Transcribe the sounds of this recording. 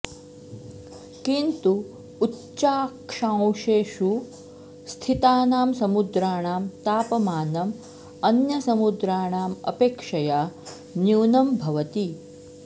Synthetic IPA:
kint̪uː | tːt͡ʃaːkʂãːwʃeːʃu | st̪ʰit̪aːnaːmsɐmud̪ɾaːɳaːmt̪aːpɐmaːnɐm | ɐnjɐsɐmud̪ɾaːɳaːmɐ̰peːkʂɐjaː | njuːnɐmbʱɐʋɐt̪i

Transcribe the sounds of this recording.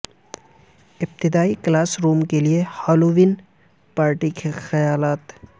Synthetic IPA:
ɪb̚t̪ɪd̪aːiklaːsɾuːmkeliehaːluʋɪn | paːɾʈikexɐjaːlaːt̪

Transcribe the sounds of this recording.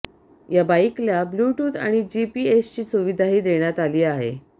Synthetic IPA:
jabaikljabluʈuːd̪a̰ɽ̃id͡ʑipiːest͡ɕiːsuʋid̪ʱaɦiːd̪eɽ̃jat̪aliːaɦḛ

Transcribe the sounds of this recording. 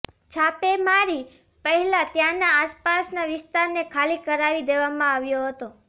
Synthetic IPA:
t͡ʃʰapemaɾi | pəɦɛlat̪janaːspasnaʋɪst̪aɾnekʰalikəɾaʋid̪eʋamãaʋjoɦət̪o

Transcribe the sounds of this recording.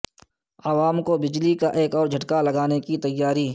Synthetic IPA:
ɐʋaːmkobɪd͡ʒlikaʔeːkɔːɾd͡ʒʱɐʈkalɐɡaːnekit̪ɐjːaːɾiː

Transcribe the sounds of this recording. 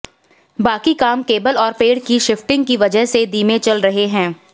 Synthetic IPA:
baːkikaːmkeːbəlɔːɾpeːɖkiʃɪfʈɪ̃ŋɡkiʋɐd͡ʒəɦsed̪iːmẽt͡ʃɐlɾɐɦeɦɛ̃ː

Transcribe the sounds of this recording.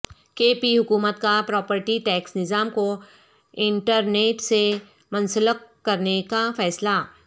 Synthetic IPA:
keːpiɦʊkuːmət̪kapɾɔːpəɾʈiʈɛːksnɪzaːmko | ɪ̃ɳʈəɾneːʈse | mɐ̃nsələkːɐɾnekafɛːsla

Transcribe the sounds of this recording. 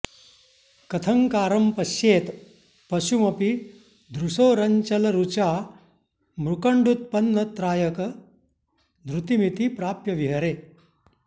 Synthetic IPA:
kɐt̪ʰɐŋkaːɾɐmpɐʃjeːt̪ | pɐʃumɐpi | d̪ɾuʂoːɾɐɲt͡ʃɐlɐɾut͡ʃaː | mɾukɐɳɖut̪̚pɐnːɐt̪ɾaːjɐkɐ | d̪ɾut̪imit̪ipɾaːpjɐʋiɦɐɾeː

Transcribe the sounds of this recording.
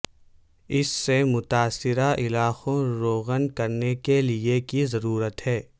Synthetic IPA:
ɪsːemʊt̪aːsɪɾaʔɪlaːxõɾoːɣənkɐɾnekeliekizɐɾuːɾət̪ɦɛː

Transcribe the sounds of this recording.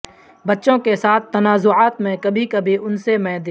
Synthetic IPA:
bɐtːʃõkesaːt̪̚ʰːɐnaːzʊaːt̪mẽkɐbʱikɐbʱiʊnsemɛ̃d̪

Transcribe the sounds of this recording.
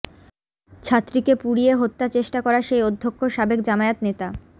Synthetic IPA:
t͡ɕʰat̪ːɾikepuɽieɦot̪ːat͡ɕeʃʈakɔɾaʃejod̪ʱːokʰːoʃabekd͡ʑamaet̪net̪a

